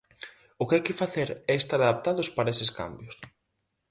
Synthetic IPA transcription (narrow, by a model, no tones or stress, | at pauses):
ʊkɪajkɪfaθeɾɛest̪aɾaðap̚t̪aðʊspaɾɐesɪska̰mbjʊs